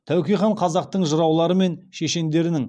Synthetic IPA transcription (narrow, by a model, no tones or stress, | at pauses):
t̪ʰæwkʲijχɑɴqʰɑzɑq̚t̪əɴʒəɾɑwlˠɑɾəme̞nʃeʃe̞nd̪e̞ɾɪnɪŋ